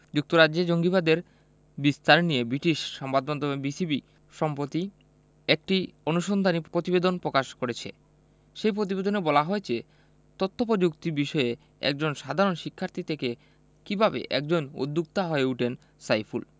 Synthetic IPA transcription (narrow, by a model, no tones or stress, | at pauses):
d͡ʑuk̚t̪oɾad͡ʑed͡ʑoŋɡibad̪eɾ | bist̪aɾnijebɾiʈiʃːɔmbad̪̚mɔnd̪omebisibi | ʃɔmpɾot̪i | ek̚ʈionuʃond̪ʱanipɾot̪ibed̪onpɾokaʃkoɾet͡ɕʰḛ | ʃejpɾot̪̬ibed̪onebɔlaɦɔet͡ɕe | t̪ot̪ʰːop̬od͡ʑukt̪iɾbiʃɔe | ɛ̰k̚d͡ʑonʃad̪ʱaɾonʃikʰːaɾt̪ʰit̪ʰeke | kibʱabḛʔɛ̰k̚d͡ʑono̰d̪ːuk̚t̪aɦoeuʈen | sajfʰṵl